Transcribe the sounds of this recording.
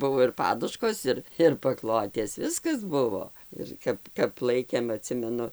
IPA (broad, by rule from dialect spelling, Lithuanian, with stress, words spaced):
ˈbʊʋoː ɪr ˈpɑːdʊʃkoːs ˈɪr ɪr pɐˈklˠoːtʲeːs ˈʋʲɪskɐs ˈbʊʋoː ɪr ˈkɐp kɐp ˈlˠɐɪkʲeːm ɐˈtʲsʲɪmʲɛnʊ